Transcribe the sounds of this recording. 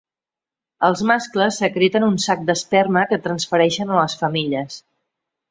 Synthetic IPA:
əlˠzmaskləsːəkɾit̪ənunsak̚d̪əspɛrməkət̪ɾənsfəɾɛʃənələsfəmiʎəs

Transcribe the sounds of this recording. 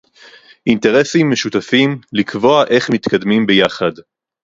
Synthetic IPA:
ʔinte̞ʁe̞simːe̞ʃutafimlikvo̞aʔe̞χmit̪kad̪mimbejaχad

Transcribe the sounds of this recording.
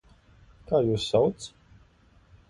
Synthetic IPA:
kaːjuːsːawt̪s

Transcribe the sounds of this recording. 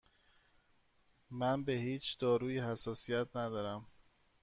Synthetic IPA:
mænbe̞hiːt͡ʃʰd̪̥ɒːɾuːjihæsːɒːsijæt̪ʰnæd̪ɒːɾæm

